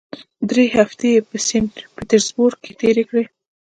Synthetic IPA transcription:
d̪ɾehaft̪epəsɪnʈpɪt̪əɾzbʊɾk̚ket̪eɾekɽe

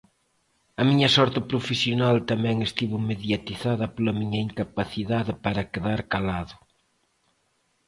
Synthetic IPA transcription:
ɐmiɲɐsɔɾt̪ɪpɾofesjonalt̪amɛ̃ŋest̪iβʊmeðjat̪iθaðɐpolɐmiɲɐiŋkapaθiðaðɪpaɾɐkeðaɾkalaðʊ

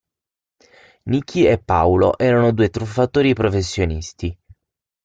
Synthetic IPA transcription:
nik̟ʰːiepːawlo̰ʔɛːɾanod̪uːet̪ɾufːat̪oːɾipɾofesːjonist̪i

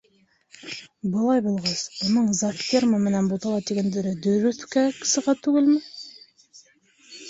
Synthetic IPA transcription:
bəlˠɑjbʊlˠʁɑzwonəɴzaft̪ʲeɾmamɪnænbot̪ʰɑlˠɑd̪eɡʲend̪eɾɪd̪ɵɾɵθkækʲʰɪ̥sɪʁɑt̪ʰʉɡʲɪlmɪ

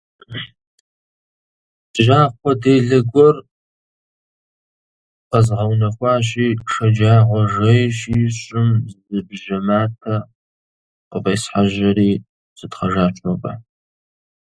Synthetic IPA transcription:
ʒaːχʷɔdeːɮɐɡʷɔr | qəzʁɐwnɐxʷɑːɕiːʂɐd͡ʒaːʁʷɔʒɐjʃiɕʷʼɪmzzɨbʒɐmaːtʰɐ | qəqeːsħaʒɐɾiː | zɨdχɐʒaːt͡ʃʷʰʼopʼa̰

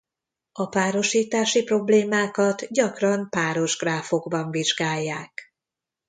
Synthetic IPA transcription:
ɒpaːɾo̞ʃiːt̪aːʃipro̞bleːmaːkɒt̪ɟɒkrɒmpaːɾo̞ʒɡraːfo̞ɡbɒɱviʒɡaːjːaːk

